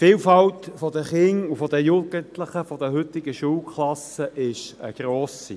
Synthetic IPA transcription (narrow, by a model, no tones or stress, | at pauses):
fiːlfɑltfɔd̪əχɪŋufɔd̪əjuːɡ̥ənt̪ləχəfɔd̪əɦʏt̪ɪɡ̥əʃuːlkʰlɑsəʔɪʃə̰ɡ̥ɾoːsi